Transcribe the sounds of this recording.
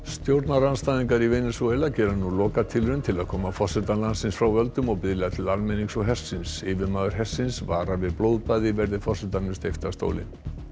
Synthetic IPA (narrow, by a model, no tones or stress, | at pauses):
st̪jowɾt̪naɾanst̪ajðiŋkaɾivejnɪsuejlacɛːɾanulɔːkat̪ʰɪlɾʏnt̪ʰɪlaðkʰɔːmafɔsɛt̪alansɪnsfɾawvœlt̪ʏmɔɣpɪðlɪðat̪ʰɪlalmejniŋsɔɦɛ̥sːɪnsɪːvɪmaːðʏɾ̥ɦɛ̥sːɪnsvaːɾavɪðplowðpaːjðɪvɛɾðɪfɔ̥sɛt̪annʏmst̪ejft̪ast̪o̰ːwlɪ̰n